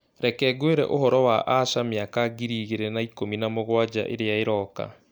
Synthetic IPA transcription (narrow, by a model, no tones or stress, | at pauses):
ɾɛkɛːɡweɾɛ̰ʔohɔɾɔwaʔaʃameakaɡiɾiːɣeɾɛnaikominamoɣwad͡ʑa̰ʔḛɾeaeɾɔka̰